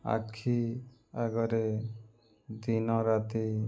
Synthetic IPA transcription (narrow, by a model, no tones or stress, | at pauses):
a̰kʰi | aɡɔɾe | d̪inɔɾat̪i